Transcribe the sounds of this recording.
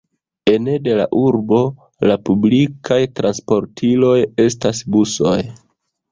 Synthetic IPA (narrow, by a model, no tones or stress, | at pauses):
e̞nede̞la̰ʔuɾbo̞ | lapublikʰajtɾanspo̞ɾtʰilo̞je̞stasbuso̞j